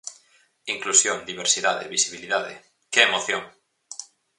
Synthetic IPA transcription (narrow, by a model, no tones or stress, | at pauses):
iŋklusjõŋd̪iβeɾsiðaðḛβisiβ̞iliðaðḛ | keemoθjoŋ